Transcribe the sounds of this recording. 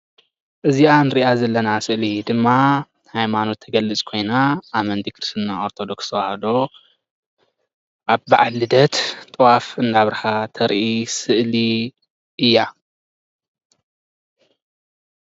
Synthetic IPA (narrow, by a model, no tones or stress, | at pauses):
ʔɨzianɨɾiʔazɐlːɐnasɨʔlid̪ɨmːa | hajmano̞t̪ʰːɐɡɐlːɨt͡sʼkʰo̞jnaʔːmɐnd̪ikʰɨɾst̪naoɾt̪ʰo̞d̪okst̪ʰɐwahɐd̪o̞ | ʔaβbaʕalɨd̪ɐt̪t̪ʼɨwafɨnd̪aβɾɐħat̪ʰɐɾʔisɨʔli | ʔɨjːa